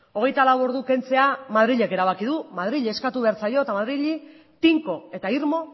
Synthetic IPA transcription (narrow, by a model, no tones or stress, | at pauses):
o̞ɣ̞e̞jt̪alawo̞ɾðuke̞nt͡se̞amaðɾiʎe̞ke̞ɾaβ̞akiðumað̞ɾiʎeskat̪uβe̞aɾt͡sajo̞et̪amaðɾiʎi | t̪iŋko̞e̞t̪aiɾmo̞